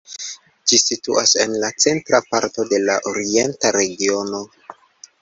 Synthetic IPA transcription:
d͡ʒisituase̞nlat͡se̞ntɾapaɾto̞de̞laʔoɾie̞ntaɾe̞ɡio̞no̞

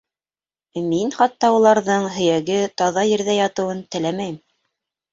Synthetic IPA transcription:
minχɑt̪ːɑulˠɑɾðɤɴɦɵ̆jæɡɘt̪ɑðɑjɘ̆ɾðæjɑt̪ɤ̆wɤnt̪ɘ̆læmæjɘm

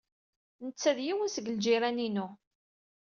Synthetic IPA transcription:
nət͡sːæðjiwənsəɡəld͡ʒiɾæninu

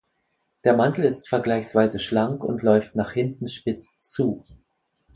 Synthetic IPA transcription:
d̥eːɐmantl̩ɪstfɛɐɡlaɪçsv̥aɪzəʃlaŋkʊ̰ntʰlɔʏftnaːχhɪntn̩ʃpɪt͡s | t͡suː

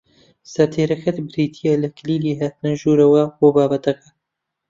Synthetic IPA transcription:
sɐt̪ʰeːɾɐxɐt̪bɨɾiːt̪ʰijalɐkʰliːliːɦaːt̪ɨnɐʒuːɾɐwɐboːbaːbɐt̪ɐkɐ̥

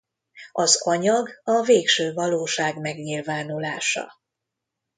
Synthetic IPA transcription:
ɒzɒɲɒɡɒveːkʃøːvɒloːʃaːɡmɛɡɲilvaːnulaːʃɒ̰

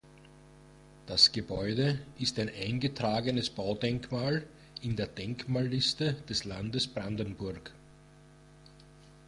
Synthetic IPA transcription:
d̥asɡ̥əbɔʏdəʔɪstæɪnʔæɪnɡətʁ̥aːɡənəsb̥aʊdɛŋkmaːl | ɪndeːɐdɛŋkmaːlːɪstəd̥ɛslandəsb̥ʁandən̩bʊɐk

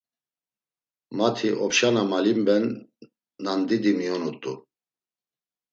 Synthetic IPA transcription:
mat̪ʰiʔɔpʃanamalimbɛnː | and̪id̪imijɔnut̪ʼu

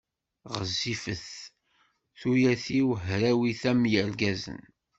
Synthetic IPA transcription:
ʁəzːifəθ | θujæθiwəɦɾæwiθæmjəɾɡæzə̰n

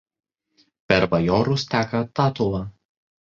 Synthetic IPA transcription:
pʲɛɾʋɐjɔːɾʊst̪ʲæːkɐt̪ɑːt̪ʊlˠɐ

